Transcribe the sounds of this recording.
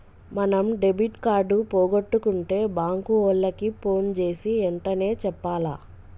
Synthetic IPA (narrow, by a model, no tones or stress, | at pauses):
mɐnɐmɖebiʈkaːɾɖupoːɡoʈːukuɳʈe̞ːbaːŋkuoːlːɐkipʰo̞ːnt͡ʃe̞ːsiɛɳʈɐne̞ːt͡ʃɛpːaːla̰ː